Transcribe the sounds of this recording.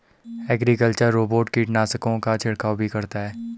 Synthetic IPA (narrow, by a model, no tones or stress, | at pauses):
ɛːɡɾikəlt͡ʃəɾːoːboːʈkiːʈnaːsəkõkat͡ʃʰɪɽkaːwbʱikɐɾt̪aɦɛː